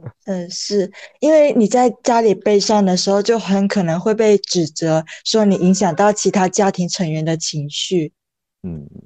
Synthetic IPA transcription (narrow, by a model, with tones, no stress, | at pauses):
ə˥˧ʂɻ̩˥˩i˥nwe˥˩ɪni˨˩t͡sa˥˩ɪt͡ɕja˥li˨˩pe˥˧ɪʂɑ˥˩ŋd̪ə˩ʂɻ̩˧˥xo˥˧ʊt͡ɕjo˥˩ʊxə˧˥nkʰɤ˨˩nɤ˧˥ŋxwe˥˧ɪpe˥˩ɪʈ͡ʂɻ̩˨˩t͡sɤ˧˥ʂwɔ˥ni˨˩ʔi˧˥ŋɕ̬jɑ˨˩ŋt̪ɑ˥˩ʊt͡ɕʰi˧˥t̪ʰa˥t͡ɕja˥t̪ʰi˧˥ŋʈ͡ʂʰə˧˥ŋɥɛ˧˥nd̪ə˨t͡ɕʰi˧˥ŋɕy˥˩˥